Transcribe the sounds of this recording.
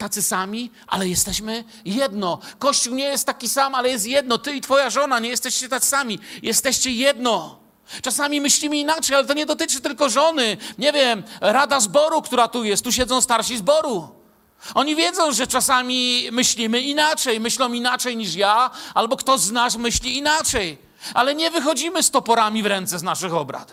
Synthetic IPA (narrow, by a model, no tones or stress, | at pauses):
t̪at̪sɘsamʲi | ʔa̰lɛjɛst̪ɛɕmɘ | jɛd̪nɔkɔɕt͡ɕuwɲɛjɛst̪ːakʲisamalɛjɛst̪jɛd̪̚nɔt̪ɘit̪fɔjaʐɔnaɲɛjɛst̪ɛɕt͡ɕɛt̪at̪ssamʲijɛst̪ɛɕt͡ɕɛjɛd̪nɔ | t͡ʂasamʲimɘɕlʲimɘinat͡ʂɛjalɛt̪ɔɲɛd̪ɔt̪ɘt͡ʂɘt̪ɘlkɔʐɔnɘɲɛvʲjɛmɾad̪azbɔɾukt̪uɾat̪ujɛst̪ːuɕ̬ɛd̪zɔ̃w̃st̪aɾɕizbɔɾu | ɔɲivʲjɛd̪zɔ̃w̃ʐɛt͡ʂasamʲimɘɕlʲimɘinat͡ʂɛjmɘɕlɔ̃w̃inat͡ʂɛjɲiʂjaalbɔkt̪ɔznasmɘɕlʲiːnat͡ʂɛj | ʔalɛɲɛvɘxɔd͡ʑimɘst̪ɔpɔɾamʲivɾɛnt̪sɛznaʂɘxɔbɾa̰t̪